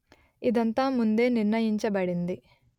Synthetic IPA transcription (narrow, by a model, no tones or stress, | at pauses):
id̪ɐnt̪aːmund̪e̞ːniɾnɐjiɲt͡ʃɐbɐɽind̪i